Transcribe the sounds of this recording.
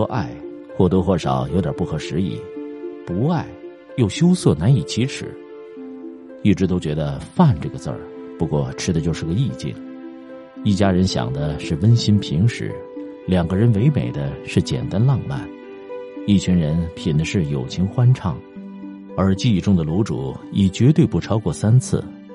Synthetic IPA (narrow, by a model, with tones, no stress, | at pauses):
ɔ˥ʔa˥˧ɪ | xwɔ˥˩t̪ɤ˧˥xwɔ˥˩ʂɑ̰˨˩˦ʊjo˧˥t̪jɐ˞˨˩pu˥˩xɤ˧˥ʂɻ̩˧˥ḭ˨˩˦pu˧˥a˥˧ɪ | jo˥˩ʊɕjo˥ʊsɤ˥˩na˧˥ni˨˩t͡ɕʰi˧˥ʈ͡ʂʰɻ̩̰˨˧˩ | i˥˩ʈ͡ʂɻ̩˧˥t̪o˥ʊt͡ɕɥɛ˧˥d̪ə˧fa˥˧nʈ͡ʂɤ˥˩ɡə˩t͡sə̰˞˥˧˩pu˧˥kwɔ˥˩ʈ͡ʂʰɻ̩˥d̪ə˧t͡ɕjo˥˧ʊʂɻ̩˥˩ɡə˩˧i˥˧t͡ɕḭ˥˩ŋ | i˥˩t͡ɕja˥ɻə˧˥nɕjɑ̰˨˩ŋd̪ə˦ʂɻ̩˥˩wə˥nɕi˥npʰi˧˥ŋʂɻ̩̰˧˥ | ljɑ˨˩ŋɡə˦ɻə˧˥nwe˧˥ɪmḛ˨˩ɪd̪ə˦ʂɻ̩˥˩t͡ɕjɛ̰˨˩nt̪a˥nlɑ˥˧ŋma̰˥˩n | i˥˩t͡ɕʰy˧˥nɻə˧˥npʰi˨˩nd̪ə˦ʂɻ̩˥˩jo˨˩ʊt͡ɕʰi˧˥ŋxwa˥nʈ͡ʂʰɑ˥˩ŋ | ə˞˧˥t͡ɕi˥˧i˥˩ʈ͡ʂʊ˥ŋd̪ə˨lu˧˥ʈ͡ʂṵ˨˩˦i˨˩t͡ɕɥɛ˧˥t̪we˥˧ɪpu˥˩ʈ͡ʂʰɑ˥ʊkwɔ˥˩sa˥nt͡sʰɹ̩̰˥˩